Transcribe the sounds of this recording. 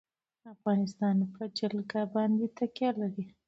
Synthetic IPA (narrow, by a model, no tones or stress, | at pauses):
afɣɑnɪst̪ɑnpʰəd͡ʒalɡabɑnd̪et̪akjɑlaɾi